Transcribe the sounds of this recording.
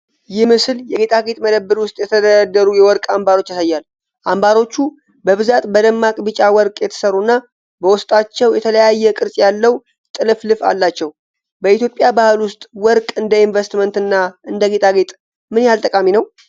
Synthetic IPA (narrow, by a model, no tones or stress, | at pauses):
jɪhmɨsɨljɛɡet̪ʰʼaɡet̪ʼməd̪əbːɨɾwʊst̪ʼjɛt̪ʰəd̪əɾəd̪ːəɾujɛwɔɾkʼambaɾo̞t͡ʃːasajːal | ʔambaɾo̞t͡ʃːu | bəβɨzat̪ʼbəd̪əmːakʼbɨt͡ʃʼawɔɾkʼjɛt̪ʰə̥səɾːunːa | bəwʊst̪ʼat͡ʃːɛwjɛt̪ʰələjajːɛkʼɨɾsʼjalːəw | t̪ʼɨlɨflɨfa̰lːat͡ʃːɛw | bəit̪jo̞pʼːjabahɨlwʊst̪ʼwɔɾkʼɨnd̪əinvəst̪mənt̪ɨnːaʔɨnd̪əɡet̪ʼaɡet̪ʼ | mɨnjhalt̪ʼəkʼaminəw